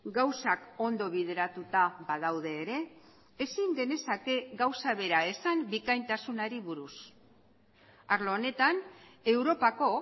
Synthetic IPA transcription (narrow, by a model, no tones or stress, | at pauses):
ɡawsako̞nd̪o̞β̞ið̞e̞ɾat̪ut̪abaðawð̞e̞ːɾe̞ː | siŋɡe̞ne̞sake̞ɡawsaβe̞ɾae̞sambikajnt̪asunaɾiβuɾus | aɾloːne̞t̪ane̞wɾo̞pako̞